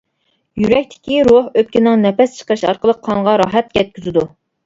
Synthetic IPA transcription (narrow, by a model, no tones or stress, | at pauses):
jyɾɛk̚ʲt̪ʰɪ̥kʲiɾohøp̚kʲinɪŋnɛpɛst͡ʃʰə̥qəɾɨʃɑ̰ɾqəlˠəqʰːɑŋʁɑɾɑːɦɛt̪̚ɡʲɛt̪̚kʲyzɪd̪u